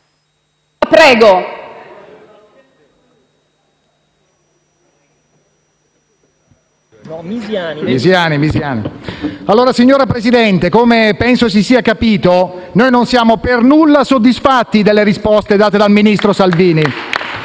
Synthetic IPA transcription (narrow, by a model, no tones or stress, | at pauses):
pɾɛːɡo | izjaːnimizjaːnḭalːoːɾasiɲːoːɾapɾesid̪ɛnt̪ekomepɛnsos̬isiːakapiːt̪o | noːjnonsjaːmopernulːasod̪ːisfat̪ːid̪elːeɾispɔst̪ed̪aːt̪ed̪alminist̪ɾosalviːni